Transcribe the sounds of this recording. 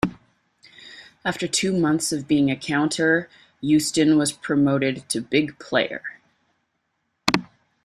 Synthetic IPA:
æftə˞tʰʉmʌ̃nθsʌvbiɪ̃ŋɨkʰãʊ̃ntʰə˞ | jʉstɨ̃nwʌz̥pʰɹ̥ɨmoʊɾɨd̚tʰɨbɪɡpʰl̥eɪə̰˞

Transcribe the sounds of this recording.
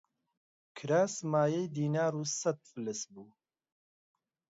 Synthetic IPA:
kʰɨɾaːsmaːjɛjd̪iːnaːɾuːsɐt̪̚fɨlɨsbuː

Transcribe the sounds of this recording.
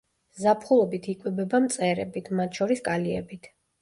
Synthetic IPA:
zapʰχulˠɔbit̪ʰikʼwɛbɛbamt̪sʼɛɾɛbit̪ʰmat̪ʰʃɔɾiskʼaliɛbit̪ʰ

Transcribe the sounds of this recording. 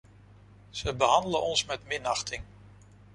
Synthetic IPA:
z̥əbəɦɑndələnʔɔnsmɛtmɪnɑχtɪŋ

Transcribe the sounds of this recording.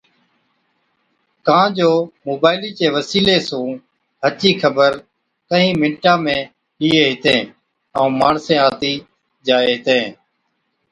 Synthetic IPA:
kãːd͡ʒoːmoːbaːɪliːt͡ʃeːʋəsiːleːsũː | ɦət͡ʃiːkʰəbəɾ | kəɦĩːmɪ̃ɳʈãːmẽː | liːeːɦɪt̪ẽː | əũːmaːɳsẽːaːt̪iː | d͡ʒaːeːɦɪt̪ẽː

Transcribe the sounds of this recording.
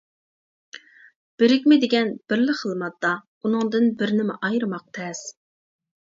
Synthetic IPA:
b̥ɪɾɪkʲmɪd̪ɪɡʲɛnb̥ɪɾlɪχʰəlˠmɑt̪ːɑ | unɨŋd̪ɨnbɪɾnɪmɪʔɑjɾɨmɑq̚t̪ʰɛs

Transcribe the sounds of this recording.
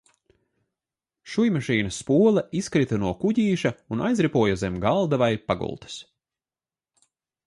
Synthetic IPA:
ʃujmaʃiːnɐspuɔlˠɛʔiskɾit̪ɐnuɔkuɟiːʃɐunʔajzɾipuɔjuzɛmɡalˠd̪avajpaɡṵlˠt̪ɐ̥s

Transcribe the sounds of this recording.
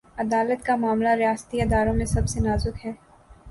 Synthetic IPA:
ɐd̪aːlət̪kamaːmlaɾɪjaːsə̥t̪iɪd̪aːɾõmẽsɐbsenaːzʊkɦɛː

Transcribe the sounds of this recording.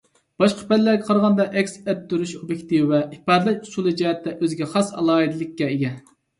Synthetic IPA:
b̥ɑʃqʰə̥bɛlːæɾɡʲɛqʰɑɾʁɑnd̪ɑʔɛkʲsɛt̪̚d̪yɾyʃobjekʲt̪ivwɛipɑːd̪ɨlˠɛʃusulˠɨd͡ʒɛɦɛt̪ːɛʔøzɡʲɛχɑsɑ̰lˠɑːɦid̪ɨlˠɪkʲːɛeɡʲɛ

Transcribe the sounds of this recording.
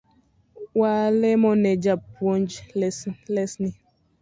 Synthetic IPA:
walɛmɔnɛd͡ʒapwond͡ʒlɛslɛsni

